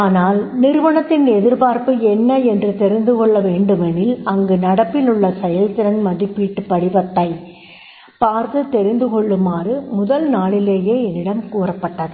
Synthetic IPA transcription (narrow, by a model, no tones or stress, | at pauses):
aːnaːlnɪɾʋɐɳɐt̪ːɪnɛðɪɾpaːɾpɯɛnːɐɛndrɯt̪ɛɾɪnd̪ɯkɔɭːɐʋeːɳɖɯmɛnɪlɐŋɡɯnɐɽɐpːɪlɯɭːɐsɛjɐlt̪ɪɾɐnmɐðɪpːiːʈːɯpːɐɽɪʋɐt̪ːɐɪ | paːɾt̪ɯt̪ːɛɾɪnd̪ɯkɔɭːɯmaːrɯmʊðɐlnaːɭɪleːjeːɛnːɪɽɐmkuːrɐpːɐʈːɐðɯ